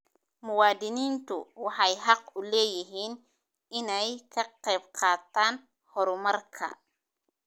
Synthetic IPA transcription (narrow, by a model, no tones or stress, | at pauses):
mʊwɑːd̪ɪniːnt̪ʰʊ̰wɑħɑjɦɑq̚ʊlɛːjɪɦiːn | ɪnɛjkʰɐqɛjbqʰɑːt̪ʰaːn | hɔɾʊmɐrkʰɐ̰